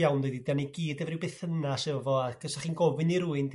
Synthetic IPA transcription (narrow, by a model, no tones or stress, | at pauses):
jawndeɨdidaniɡiːdɛvrɪwbeːθənasɛɔvɔakʰəsaχiːnɡɔvɨniɾuːɨnd